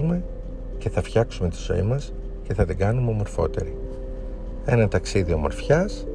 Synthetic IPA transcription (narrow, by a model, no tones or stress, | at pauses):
me̞ | ce̞θɐfçɐksume̞t̪i̥zo̞̰imɐs | ce̞θɐðiɡɐnumeomo̞ɾfo̞̰t̪e̞̰ɾi | e̞nɐt̪ɐksiðio̞mo̞̰ɾfçɐs